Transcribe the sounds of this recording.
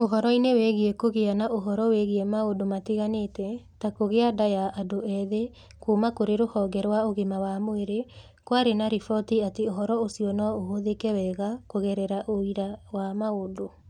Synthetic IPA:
oɦɔɾɔinewɛɣeɛkoɣeanaʔoɦɔɾɔweɣeɛmaodomateɣaneːtɛtakoɣeadajaʔadoɛðe | kumakoɾeɾohɔɡɛɾwaoɣemawamoeɾe | kwaɾenaɾifɔtiateoɦɔɾɔosiɔnɔoɦoðekɛwɛɣakoɣɛɾɛɾaʔoiɾawamaodo

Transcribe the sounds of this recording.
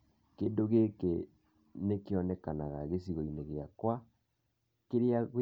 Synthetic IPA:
keːndoɣeke | nekeɔnɛkanaɣaɣesiɣoineɣeakwa | keɾeaɣ

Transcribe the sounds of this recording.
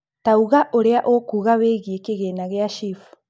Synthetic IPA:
tauɣaʔoɾeaʔokuːɣaweɣiekeɣenaɣeaʃif

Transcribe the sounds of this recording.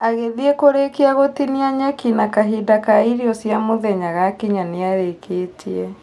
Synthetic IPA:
aɣeðiekoɾekiaɣotiniaɲɛkinakaɦidakaiɾiɔsjamoðɛɲaɣakiɲaneaɾekʰeːtʰiɛ

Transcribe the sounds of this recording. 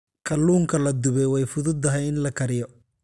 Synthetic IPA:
kʰɐluːŋkʰɐlɐd̪ʊβɛjwɛjfʊðʊd̪ːɐɦɛjɪnlɐkʰɐɾɪjɔ

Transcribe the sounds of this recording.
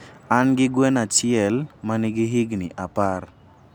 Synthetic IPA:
anɡɪɡwɛnat͡ʃɪɛlmaniɡɪɦɪɡnɪʔapar

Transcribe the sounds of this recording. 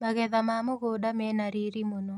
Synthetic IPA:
maɣɛðamamoɣodamɛnaɾiɾimono

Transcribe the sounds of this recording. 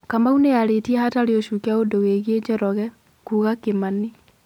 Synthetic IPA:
kamauneaɾetiɛhataɾeoʃukaodoweɣed͡ʑɔɾɔɣɛ | kuːɣakemani

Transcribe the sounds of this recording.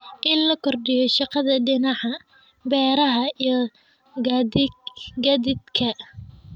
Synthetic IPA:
ʔɪnlɐkʰɔrɖɪjɔʃɑqɑðɐɖɪnɑʕɑ | bɛːɾɐɦɐij | ɡ | ɡɐd̪ɪd̪kʰɐ

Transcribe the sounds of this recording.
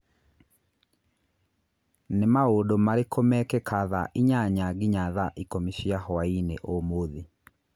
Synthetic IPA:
nemaodomaɾekʰomɛkɛkʰaðaʔiɲaɲaɡiɲaðaʔikomiʃiahɔainḛʔomoðe

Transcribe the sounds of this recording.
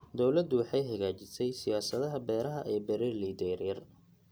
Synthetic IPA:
d̪ɔwlɐd̪ːʊwɑħɑjɦɐɣaːt͡ʃɪsɛjsɪjaːsɐðɐɦɐbɛːɾɐɦɐʔɛːbɛɾɛliːd̪ɛɾɐr

